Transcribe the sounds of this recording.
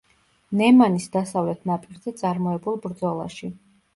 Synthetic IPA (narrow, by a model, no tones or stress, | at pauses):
nɛmanisd̪asavlɛt̪ʰnapʼiɾzɛt̪sʼaɾmɔɛbulˠbɾd̪zɔlˠa̰ʃi